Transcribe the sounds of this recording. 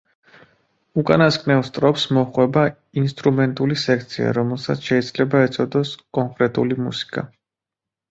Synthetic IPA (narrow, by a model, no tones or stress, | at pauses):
ukʼanaskʼnɛvst̪ʼɾɔpsmɔχwɛba | inst̪ʼɾumɛnt̪ʼulisɛk̚ʰt̪sʰia̰ɾɔmɛlˠsat̪sʃɛid̪z̥lɛbaɛt̪sʼɔd̪ɔskʼɔŋkʼɾɛt̪ʼulimṵsi̥kʼa̰